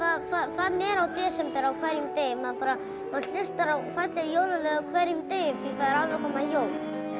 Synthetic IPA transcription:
vaðfaðfat̪nɛɾawt̪ɛːsɛmpɛɾawkʰvɛɾjʏmt̪ejɪmaðpaːɾa | manɬɪst̪aɾawfat̪lɪjoːwlalɛɣawkʰvɛɾjʏmt̪ejʏmθiikʰvaðɪɾalvɛkʰɔmaðjoːwl

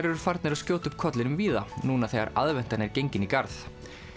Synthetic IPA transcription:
ɾɛɾʏɾ̥faɾt̪nɪɾaðscjoːwt̪ʏpkʰɔt̪lɪnʏmviːðanuːnaθɛɣa̰ɾa̰ðvɛn̥t̪anɛɾcejɲcɪnikaɾθ

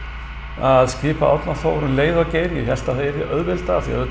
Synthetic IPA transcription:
aðscɪːpaʔa̰t̪naθoːwɾʏnleːjðʏawceːjɾjɪ̰çɛl̥t̪aθeɛɾɛʔœðvɪlt̪aθia̰vɪ

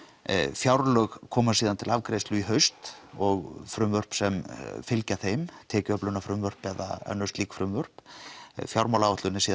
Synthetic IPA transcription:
fjawɾlœɣkʰɔːmasiːðant̪ʰɪlavkɾejst̪lʏiɦœɥst̪ɔɣfɾʏmvœr̥psɛmfɪlcaθejmt̪ʰɛːcʏœplʏnafɾʏmvœr̥pɛða̰œ̰nːʏ̥st̪liːkfɾʏmvœr̥pfjawɾmawlaɔht̪lʏnɪsiːð

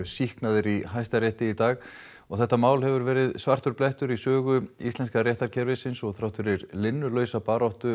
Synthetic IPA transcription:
sihknaðɪɾiɦajst̪aɾɛht̪ɪit̪aːɣ | ɔɣθɛht̪ːamaːwlhɛvʏɾvɛːɾɪðsvar̥t̪ʏɾ̥plɛht̪ʏɾisœːɣʏḭst̪lɛnskarjɛht̪aɾ̥cʰɛɾvɪsɪnsɔɣθɾawht̪ʏɾiɾlɪnːʏlœːɥsapaːɾawht̪ʏ

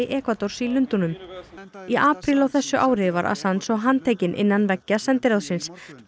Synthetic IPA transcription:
ɪʔɛːkvat̪or̥silʏnt̪unʏm | iʔaːpɾilawθɛsːʏʔaːwɾɪva̰ɾʔa̰sansɔɣɦant̪ʰeːjcɪnʔɪ̰nːanvɛcːasɛnt̪ɪɾawsɪns

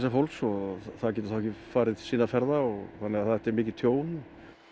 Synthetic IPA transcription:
safowlksɔθaðcɛt̪ɾ̥θawɛcɪfaːɾɪðsiːnafɛɾðaɔɣθanːɛɣaðθaɛht̪ɛɾmɪːcɪðt̪ʰjoːwnɔ

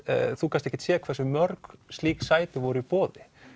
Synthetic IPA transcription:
θukanst̪ɛçcːɪt̪sɛːkʰvɛsʏmœɾkst̪liːksaːjt̪ɪvɔɾʏipɔːðɪ

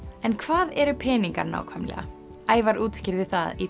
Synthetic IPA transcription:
ɛnkʰvaːðɛɾʏpʰɛːniŋkaɾna̰ːwkʰvajmlɛ̰ɣa̰ | aːjvaɾʔuːt̪scɪɾðɪθa̰ði

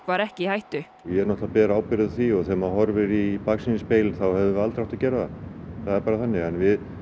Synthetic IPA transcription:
kvaɾɛhcɪhajht̪ʏ | jɛɛɾnɔht̪lapɛːɾaaːwpɪɾɪðθiɔɣθɛmaɦɔɾvɪɾipaksɪnɪspejlɪnθawhɛvðɪvɪalt̪ɾawht̪acɛːɾaðaθaðɛɾpaːɾaθanːɪɣɛnvɪð

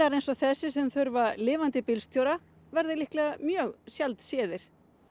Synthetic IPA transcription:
aɾejnsɔθɛsːɪsɛmθœɾvalɪːvant̪ɪpɪlst̪ʰjoːwɾa | vɛɾðɪlɪhklɛɣamjœːɣsjalt̪sɛːðɪɾ̥

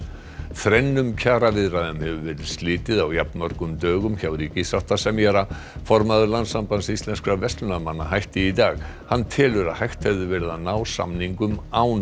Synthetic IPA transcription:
θɾɛjnːʏmcʰaːɾavɪðɾaðʏmhɛvʏvɛːɾɪðst̪lɪːt̪ɪðawjapnmœɾkʏmt̪œːɣʏmçawɾiːcɪsawht̪asɛmjɛɾa | fɔɾmaðʏɾlant̪sampansist̪lɛnskɾavɛst̪lʏnamanːaɦajht̪ɪit̪aːɣ | hanːt̪ʰɛːlʏɾaðhajht̪hɛvðʏvɛːɾɪðanaːwsa̰mniŋkʏmaw

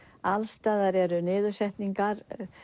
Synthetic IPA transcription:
alst̪aːðaɾɛɾʏnɪːðʏ̥sɛht̪niŋkaɾ

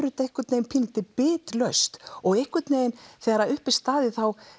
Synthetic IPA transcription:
ɾʏt̪aejhkʏt̪neːjnpʰɪlt̪ɪpɪːt̪lœɥst̪ɔɣejhkvʏt̪neːjɪnθɛːɣɾaʏhpɪst̪aːðɪθaw

